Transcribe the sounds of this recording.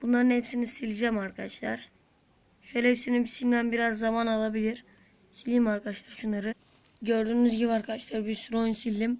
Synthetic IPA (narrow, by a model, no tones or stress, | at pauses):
b̥unlˠaɾɯnhepsinizsilʲid͡ʒɛmaɾkʰad̪aʃlˠa̰ɾ | ʃøjlʲɛepsinizbisilʲd̪ænbiɾazːamanalˠabilʲiɾ̥ | silʲimaɾkʰad̪ʃlˠaɾʃunaɾɯ | ɟøɾd̪yːnyzɟibiaɾkʰad̪aʃlˠaɾbiɾsuɾonsilʲːim